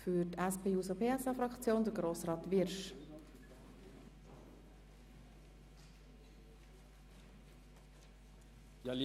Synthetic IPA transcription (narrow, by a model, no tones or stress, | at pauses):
fytæspʰeːuːsopʰeːɛsɑfɾʁɑkt͡sjoːnd̥̪əɾɡɾoːsrɑːt̪ʋɪɾʃ | j